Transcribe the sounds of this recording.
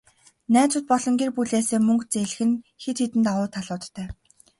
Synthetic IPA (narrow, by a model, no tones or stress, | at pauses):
næːt͡sʊ̆t̪̚pɔɮɞ̆ŋɡiːrpuɮeːseːmɵŋkt͡seɮ̆xɘ̆nxet̪ʰet̪ɘ̆nt̪aʁʊːt̪ʰaɮʊːt̪ːʰæː